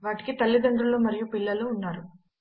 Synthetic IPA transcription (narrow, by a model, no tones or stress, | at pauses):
ʋaːʈi̥kit̪ɐlːid̪ɐɳɖɾuloːmɐɾijupilːɐluːnːaːɾu